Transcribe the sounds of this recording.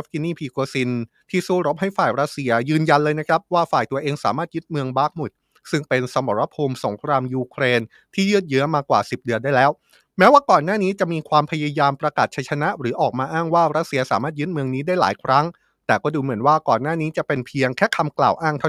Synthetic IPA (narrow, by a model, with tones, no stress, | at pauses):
ki˧niː˥˩pʰiː˧koː˧si˧n | t̪ʰiː˥˩suː˥˩ɾo˦˥p̚ha˥˩jfaː˨˩jɾa˦˥t̪̚si˧ɐjɯː˧nja˧nlɤː˧jna˦˥kʰɾa˦˥p̚waː˥˩faː˨˩jt̪u˧ɐʔeː˧ŋsaː˩˦maː˥˩t̪̚jɯ˦˥t̪̚mɯ˧əŋbaː˥˩k̚mu˨˩t̪̚ | sɯ˥˩ŋpe˧nsa˧mɔ˨˩ɾa˧˥pʰoː˧mso˩˦ŋkʰɾaː˧mjuː˧kʰɾeː˧n | t̪ʰiː˥˩jɯ˥˩t̪̚jɯ˦˥ɐmaː˧kwaː˨˩si˨˩p̚dɯ˧nda˥˩jlɛː˦˥w | mɛː˦˥waː˥˩kɔː˨˩nːaː˥˩niː˦˥t͡ɕa˨˩ʔmiː˧kʰwaː˧mpʰa˧ja˧jaː˧mpɾa˧kaː˨˩t̪̚t͡ɕʰa˧˥jt͡ɕʰa˧na˦˥ʔɾɯː˩˦ʔɔː˨˩k̚maː˧ʔaː˥˩ŋwaː˥˩ɾa˦˥t̪̚si˧ɐsaː˩˦maː˥˩jɯ˦˥t̪̚mɯ˧əŋniː˦˥daː˥˩jla̰ː˩˦jkʰɾa˦˥ŋ | t̪ɛː˨˩kɔː˥˩duː˧mɯ˩˦ənwaː˥˩kɔː˨˩nːaː˥˩niː˦˥t͡ɕa˨˩pe˧npʰi˧əŋkʰɛː˥˩kʰa˧mkla̰ː˨˩wʔaː˥˩ŋt̪ʰa˥˩